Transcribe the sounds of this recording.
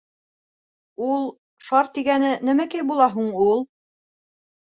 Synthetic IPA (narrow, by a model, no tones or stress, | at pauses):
ulˠ | ʃɑɾt̪ːiɡænɘnɘ̆mækæjbulˠɑɦuɴulˠ